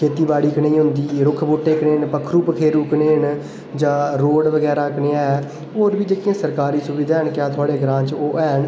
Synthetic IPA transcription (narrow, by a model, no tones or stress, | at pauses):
kʰeːt̪iːbaːɽiːkənẽĩːɦʊnd̪iːɾʊkʰboːʈeːkneːɳpəkʰɾuːpəkʰeːɾuːkneːɳ | d͡ʒãːɾoːɖʋəɡɛːɾaːkəɳeːaːɛː | oːɾbiːd͡ʒeːkiãːsəɾkaːɾiːsʊʋiːd̪aːɦəɳkjaːt̪ʰʊaːɽeːɡɾãːt͡ʃoːʔɛːɳ